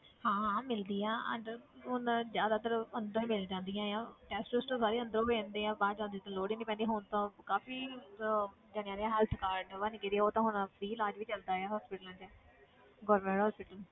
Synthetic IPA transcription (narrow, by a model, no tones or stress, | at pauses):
hãːmɪld̪iːãːə̰ɳɖəɾɦʊnd͡ʒjaːd̪aːt̪əɾənd̪ɾõːmɪlːd͡ʒãːnd̪ijãːjãːʈɛːsʈʊsʈõːsaːɾiːə̃nd̪əɾõːpẽːnd̪eːãːbaːd͡ʒãːnd̪iːt̪ãːloːɽiːnĩːpɛ̃ːnd̪iːɦʊnt̪õːkaːfiː | d͡ʒəɽ̃ãːd̪eːãːɦɛlt̪ʰkaːɾɖʋanːkeːd̪iːoːt̪ãːɦʊnpʰɾiːlaːd͡ʒʋiːt͡ʃəld̪aːɛaːɦɔːspɪʈlãːd͡ʒə | ɡoːɾmẽɳʈɦɔːspɪʈəl